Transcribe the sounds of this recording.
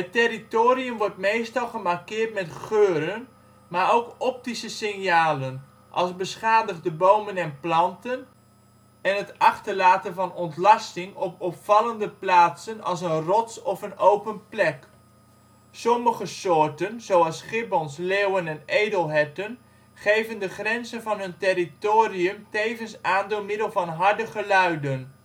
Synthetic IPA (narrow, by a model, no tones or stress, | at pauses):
ətɪritoːɾiəmʋɔɹtmejstɑlˠχəmarkɪːɹtmɛtχøːɾən | maːɹowkɔp̚tisəsɪŋjaːlən | ʔɑ̰lˠsbəsχaːdəχdəbowmənɛnplɑntən | ɛnətɑχtəɹlaːtənvɑnɔntlɑstɪŋɔpɔpfɑləndəplaːtsənɑ̰lˠs̬ənrɔtsɔfənowpənplɛk | sɔməχəsʊːɹtənzowɑlˠsχɪbɔnslewənɛnejdəlˠɦɛtən | χejvəndəχrɛnzənvɑnɦɵntɪritoːriəmtejvənsaːndɪːlˠmɪdəlˠvɑnɦɑɹdəχəlœɥdən